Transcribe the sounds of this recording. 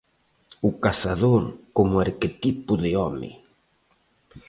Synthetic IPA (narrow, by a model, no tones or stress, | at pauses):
ʊkasaðoɾkomʊaɾket̪ipʊðɪɔmɪ̰